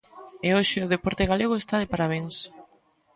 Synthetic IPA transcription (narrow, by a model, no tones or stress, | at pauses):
eoʃɪʊðepɔɾt̪eɣaleɣoest̪aðepaɾaβ̞eŋs